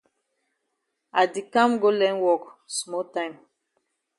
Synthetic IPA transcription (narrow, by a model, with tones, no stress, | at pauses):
a˨di˨kã˦mɡo˦lɛ̃˦nwɔ˦ksmɔ˦tã˦ɪ̃m